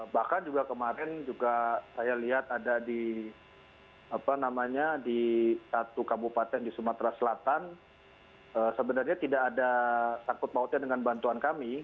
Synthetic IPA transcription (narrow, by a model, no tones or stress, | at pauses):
bahkand͡ʒuɡakəmaɾɛnd͡ʒuɡasajaliɦat̪adadi | apanamaɲadisat̪ukabupat̪ɛŋdisumat̪ɾasəlat̪an | əːsəbənarɲat̪idaːdasaŋkʊt̪̚maɦʊt̪̚ɲadəŋanbant̪uankami